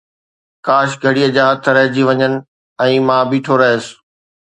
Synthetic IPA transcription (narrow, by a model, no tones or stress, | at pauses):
kaːʃɡʱɐɽijəd͡ʑaːɦɐt̪ʰɾɐɦɪd͡ʑiʋɐɲənɪ̆ | ɛ̃ːmãːbʱiʈʰoɾɐɦes